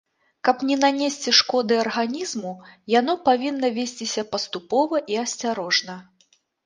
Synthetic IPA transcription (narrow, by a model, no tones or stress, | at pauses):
kɐpnʲɛnanʲesʲt͡sʲiʂkɔd̪ɨɐrɣanʲizmujan̪ɔpavʲinːɐvʲesʲt͡sʲisʲɐpɐst̪upɔvɐʔiɐsʲt͡sʲaɾɔʐnɐ